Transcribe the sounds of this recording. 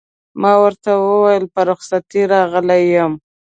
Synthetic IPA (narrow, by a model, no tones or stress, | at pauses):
mɑwəɾt̪awəwajəlpəɾʊxsat̪iɾɑɣəlajəm